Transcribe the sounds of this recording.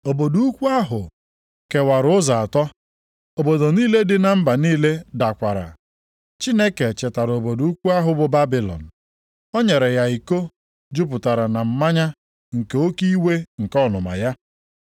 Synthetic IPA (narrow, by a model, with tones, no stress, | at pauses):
o˨bo˨du˦u˦kʷu˦a˦ɦʊ˨ | ke˨wa˨ɾʊ˦za˨a˨tɔ˦ | o˨bo˨do˨niː˦le˦dɪ˦na˨m̩˦ba˨niː˦le˦da˨kʷa˨ɾa̰˨ | t͡ʃi˦ne˦ke˨t͡ʃe˨ta˨ɾo˨bo˨du˨u˦kʷu˦a˦ɦʊ˦bʊ˨ba˦bi˨lɔ̰˨n̩˨ | o˦ɲe˨ɾe˨ja˨i˨ko˦ | d͡ʒu˦p̬ʊ˨ta˨ɾa˨na˨m̩˨ma˦ɲa˦ | ŋ̩˨ke˦o˦ki˦we˦ŋ̩˨kɔ˦nʊ˨ma̰˨ja˦